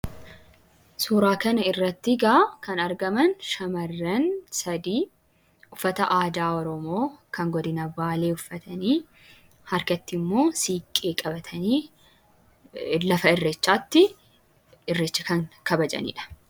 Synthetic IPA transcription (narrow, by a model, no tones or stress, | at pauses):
suːɾaːkɐnɐɪrːɐt̪ːɪɡaːkɐnɐɾɡɐmɐnʃɐmɐrːɐnsɐd̪iː | ʊfːɐt̪ɐʔaːd̪aːɔɾɔmo̞ːkɐŋɡɔd̪ɪnɐbaːle̞ːʊfːɐt̪ʰɐniː | hɐɾkɐt̪ːɪmːo̞ːsiːkʼːeːkʼɐbɐt̪ʰɐniː | lɐfɐɪrːɛt͡ʃːaːt̪ːɪ | ɪrːɛt͡ʃːɐkɐŋkɐbɐd͡ʒɐ̰nḭːᶑɐ̥